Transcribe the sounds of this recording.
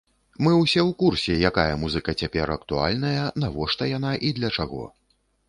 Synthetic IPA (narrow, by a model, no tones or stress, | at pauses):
mɨwsʲɛwkursʲɛjakajɐmuzɨkɐt͡sʲapʲɛɾɐkt̪ua̰lʲnɐjɐnavɔʂt̪ɐjanaʔid̪lʲɐt͡ʂaɣɔ̰